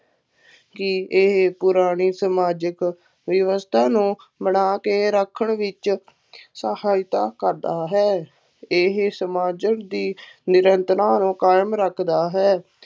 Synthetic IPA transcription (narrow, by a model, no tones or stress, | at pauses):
kɪɪɦpʊɾaːɽiːsəmaːd͡ʒək | ʋəʋəst̪ʰaːnũː | bəɳaːkeːɾəkʰəɳʋɪt͡ʃ | səhaːɪt̪a̰ːkəɾd̪aːɦɛː | ɪɦsəmaːd͡ʒəkd̪iːnɪɾənt̪ɾaːnũːkaːjmɾəkʰd̪aːɦɛː